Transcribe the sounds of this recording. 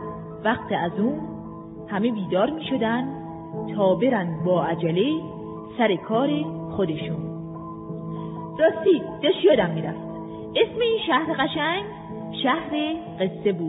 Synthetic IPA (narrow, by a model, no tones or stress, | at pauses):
væχt̪ʰeæzuːn | hæmebiːd̪ɒːɾmiːʃod̪ænd̪ | t̪ʰɒːbe̞ɾænd̪bɒːæd͡ʒæle | sæɾekʰɒːɾe | xod̪eʃuːn | ɾɒːst̪iːd̪eʃjɒːd̪æmːiːɾæft̪ | esme̞iːnʃæhɾeɣæʃæŋɡ | ʃæhɾe | ɢe̞sːe̞buːd̥̪